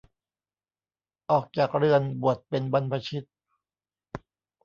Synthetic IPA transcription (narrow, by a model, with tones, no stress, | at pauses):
ʔɔː˨˩k̚t͡ɕaː˨˩k̚ɾɯ˧˩ənbu˨˩ət̪̚pe˧nba˧npʰa˧t͡ɕʰi˦˥t̪̚